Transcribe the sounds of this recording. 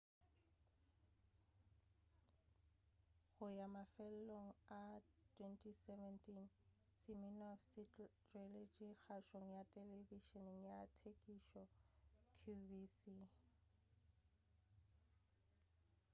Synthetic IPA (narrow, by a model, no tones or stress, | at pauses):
ɣʊjamafɛlloŋ̩atʰʼwɛntʰʼisɛvɛntʼin | sɪminɔfsɪtelet͡ʃʼiɣaʃoŋ̩jatʼɛlebiʃɔniŋ̩jatʰekʼiʃɔkʰjubisi